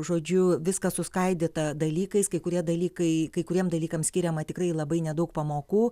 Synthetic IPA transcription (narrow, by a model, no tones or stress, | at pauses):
ʒoːd͡ʒʲʊʋʲɪskɐsʊskɐɪd̪ʲeːt̪ɐd̪ɐlʲiːkɐɪskɐɪkʊɾʲiɛd̪ɐlʲiːkɐɪkɐɪkʊɾʲiɛmd̪ɐlʲiːkɐmsʲkʲɪɾʲɛmɐt̪ʲɪkrɐɪlˠɐbɐɪnʲɛd̪ɐʊk̚pɐmoːkuː